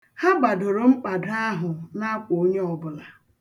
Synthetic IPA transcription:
ha˦ɡ͡ba˨dʊ˨ɾo˨ŋ͡m̩˦k͡pa˨da˦ɦʊ˨na˦k͡po˨o˦ɲe˦ɔ˨bʊ˨la˨

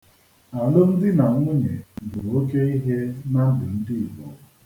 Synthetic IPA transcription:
a˨lʊ˦n̩˦dɪ˦na˨˦ŋʷʊ˦ɲḛ˨bʊ˨o˦ke˦i˦ɦe˦na˦dɪ˨n̩˦dɪ˦ɪ˨bɔ̰˨˦

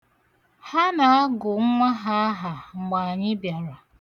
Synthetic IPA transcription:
ha˦na˨a˦ɡʊ˨˦ŋʷa˦ɦa˦a˦ɦa˨ŋ͡m̩˨ɡ͡ba˨a˨ɲɪ˦bja˨ɾa˨

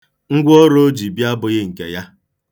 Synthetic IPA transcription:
ŋ̩˦ɡʷɔ˦ɾo˦o˦d͡ʒi˨bi˦a˦bʊ˨ɣɪ˦ŋ̩˨kḛ˨ja˦

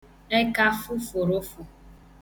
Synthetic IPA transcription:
e˦ka˦fʊ˦fʊ˨ɾʊ˦fʊ˨

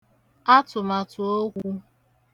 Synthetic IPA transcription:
a˦tʊ˨ma˨tʊ˨o˦ɡʷu˦

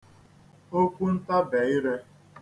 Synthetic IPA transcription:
o˦kʷu˦n̩˦ta˦be˨ɪ˦ɾe˦

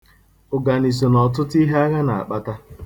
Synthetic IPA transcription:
o˨ɡa˨ni˨s̬o˨nɔ˨t̬ʊ˦tʊ˦i˦ɦe˦a˦ɣa˦na˨a̰˨k͡pa˦ta˦

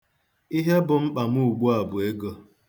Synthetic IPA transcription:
i˦ɦe˦bʊ˨ŋ͡m̩˦k͡pa˨m̩˦u˦u˨ɡ͡bu˦a˨bʊ˨e˦ɡɔ˦

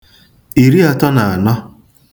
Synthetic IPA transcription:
i˨ɾi˦a˨tɔ˦na˨a˨nɔ˦

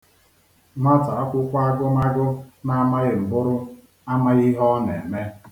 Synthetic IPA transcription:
ma˦ta˨a˦kʷʊ˦kʷa˦a˦ɡʊ˦ma˦ɡʊ˦na˦ma˦ɣɪ˨m̩˨bʊ˦ɾʊ˦ | a˦ma˦ɣi˦ɦɔ˦ne˨e˨me˦

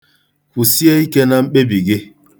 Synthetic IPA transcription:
ɸu˨si˦e˦i˦ke˦na˦m̩˦ɓe˦bi˨ɡe˦

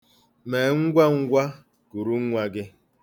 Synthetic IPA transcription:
me˨ŋ̩˦ɡʷa˦ŋ̩˦ɡʷa˦ | ku˨ɾu˦ŋ̩˦ŋʷa˦ɡɪ˦

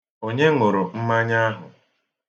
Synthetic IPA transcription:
o˦ɲe˦ŋʊ˨ɾʊ˨m̩˦ma˦ɲa˦a˦ɦʊ˨

